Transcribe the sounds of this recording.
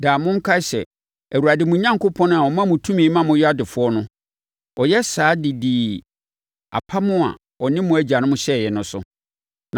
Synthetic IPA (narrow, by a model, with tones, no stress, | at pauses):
daː˨mʊ̃˦ŋ̩˦kʰa˦sɛ̰˨ | æ˨wu˨ɾa˨dɪ˨mũ˨ɲã˦ŋkʰo˦pʰɔ̃˦nʊ̃˦a˨wɔ˨mã˦mʊ̃˨tʰũ˦mĩ˨˦mã˦mʊ̃˦ja˦dɪ˨fʊ˦ɔ˦nʊ̃˦ | ɔ˨jɛ˦saː˨˦dɪ˨di˨ | a̰˨pʰa˦mʊ̃˦a̰˨ | ɔ˨nɪ̃˦mʊ̃˦æ˨d͡ʑa˨nʊ̃˦mʊ̃˦ɕɛ˦˨jɛ˨nʊ̃˦sʊ̰˦ | nã˨